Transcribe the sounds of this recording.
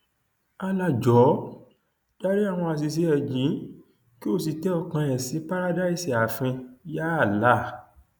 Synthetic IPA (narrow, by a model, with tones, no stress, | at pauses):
a˧la˧˨d͡ʒɔ˨˦ | d͡ʒa˦ɾi˦a˦˨w̃ɔ̃˧a˧˨s̬i˨˧s̬e˧˦ɛ˨d͡ʒĩ˨˦ | ki˦o˦˨s̬i˨tɛ˦ɔ˦˧˨kã˧ɛ˨sĩ˨˦pa˦ɾa˦da˦i˦˨si˨a˨fĩ˧ja˦a˦˨la˨˦˨